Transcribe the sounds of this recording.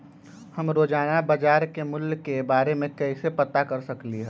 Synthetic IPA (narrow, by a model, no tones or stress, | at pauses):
həmɾoːd͡ʒaːnabɐd͡ʒaːɾkemʊljkebaːɾemẽkɛɦɪsepɐt̪akɐɾsəkliɦɛ